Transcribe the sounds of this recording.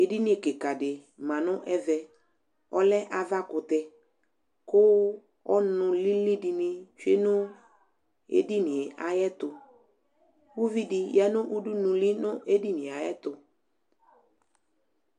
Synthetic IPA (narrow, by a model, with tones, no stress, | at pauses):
e˨di˦nɪ̃˦e˨kɪ˨ka˨dɪ˨ | mã˨nʊ̃˦ʔɛ˦vɛ˨ | ɔ˦lɛ˦ʔa˨va˦kʊ˨t̪ɛ˨ | kʊ˦ | ɔ˦nʊ̃˨li˦li˦di˨nɪ˦t͡ʃe˦nʊ˦ | ḛ˨di˦nɪ˨e˨ʔa˨jɛ˦t̪ʊ˨ | wu˦vi˦di˨ja˦nʊ̃˦ʔu˦du˦nũ˨li˦nʊ˦e˦di˦nɪ̃˨a˨jɛ˦t̪ʊ˨